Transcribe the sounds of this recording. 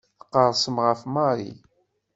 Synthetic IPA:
θəqːəɾˤsəmʁəfmaɾˤḭ

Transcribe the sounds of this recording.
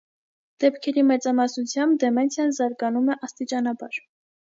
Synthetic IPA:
d̪̥ɛpkʰɛɾimɛt͡sɑmɑsnut͡sʰjɑmb̚d̪ɛmɛnsʰjɑnzɑɾɡɑnumɛʔɑst̪it͡ʃɑnɑbɑɾ

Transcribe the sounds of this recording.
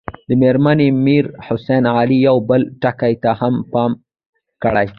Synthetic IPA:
d̪əmeɾmanemiɾhʊsenʕalijawbəlʈakajt̪ahampɑm | kəɽaj

